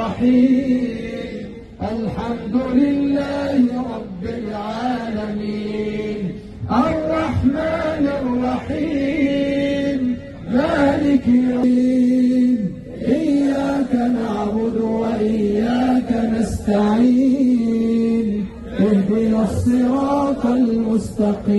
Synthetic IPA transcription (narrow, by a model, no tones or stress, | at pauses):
ɑħiː | ʔalħamd̪ʊlɪlːaːhɾˤɑbːɪlʕaːlamiːn | ʔarˤːɑħmaːnɪrˤːɑħiː | m | maːlɪkː | m | ʔɪjːaːkanaʕbʊd̪waʔɪjːaːkanast̪aʕiː | n | wɪbɪnasˤːɨɾɑːt̪almʊst̪ɑqiː